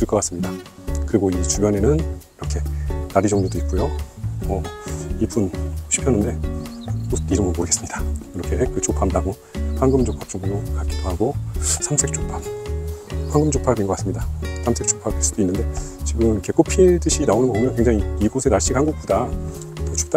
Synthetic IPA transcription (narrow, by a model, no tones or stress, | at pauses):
t͈ɯɭk͈ʌk͈as͈ɯmɲida | kɯɾiɡoit͡ɕubjʌne̞nɯniɾʌkʰe̞naɾid͡ʑʌŋɲodoit̚k͈ujomʌibunɕʰi̥pʰjʌnːɯnde̞ | ostiɾɯmɯboɡe̞s͈ɯmɲid̥akɯɾʌkʰe̞kɯt͡ɕopʰamdaɡo | pʰaŋɡɯmd͡ʑopʰap̚t͡ɕ͈oŋɲokak͈idohaɡosʰamsʰek̚t͡ɕʰok̚pʰam | pʰaŋɡɯmd͡ʑʰokpʰaɾminɡʌkas͈ɯmɲidasʰamsʰe̞k̚t͡ɕʰo̥k̚pʰabis͈u̥d̥oinːɯnde̞t͡ɕiɡɯmɯnkʰe̞k͈opʰit͈ɯɕʰinaonɯnɡʌumjʌnkweŋd͡ʑaŋiːɡosʰe̞naɭɕ͈ikhanɡok̚k͈uda | kot͡ɕʰu̥p̚t͈a